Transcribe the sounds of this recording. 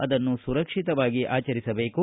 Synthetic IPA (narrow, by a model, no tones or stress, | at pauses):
ɐd̪ɐnːusuɾɐkʂit̪ɐʋaːɡiʔaːt͡ʃɐɾisɐbe̞ːku